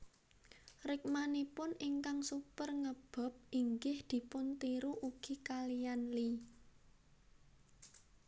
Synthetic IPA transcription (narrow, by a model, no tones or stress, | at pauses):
rɪk̚manipʊnɪŋkaŋsupərŋəb̥a̤p̚ʔiŋɡɪhd̪̥i̤pʊnt̪iɾuʔuɡ̥i̤kalijanli